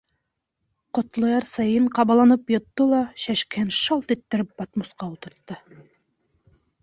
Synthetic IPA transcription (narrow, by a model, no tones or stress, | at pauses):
qŏt̪lˠɤ̆jɑɾsɑjɤɴqɑβɑlˠɑnɤpjɤ̆t̪ːɤlˠɑɕæʃkɘnʃɑlˠt̪it̪ːɘ̆ɾɘp̚bɑt̪musqɑut̪ɤ̆ɾt̪ːɤ